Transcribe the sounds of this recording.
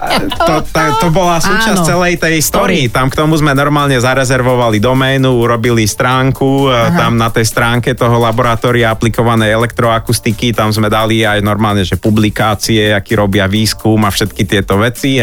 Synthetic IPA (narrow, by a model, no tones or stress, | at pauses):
t̪ɔt̪ɔt̪ɔbɔlasuːt͡ʃast͡sɛlɛjt̪ɛjst̪ɔɾiːt̪amkt̪ɔmuzmɛnɔɾmaːlɲɛzaɾɛzɛɾʋɔʋalid̪ɔmɛːnuuɾɔbilist̪ɾaːŋkut̪amnat̪ɛjst̪ɾaːŋkɛt̪ɔɦɔlabɔɾat̪ɔːɾiaaplikɔʋanɛjɛlɛkt̪ɾɔakust̪ikit̪amzmɛd̪aliajnɔɾmaːlɲɛʒɛpublikaːt͡siɛakiːɾɔbɪaʋiːskumafʃɛt̪kit̪ɪɛt̪ɔʋɛt͡si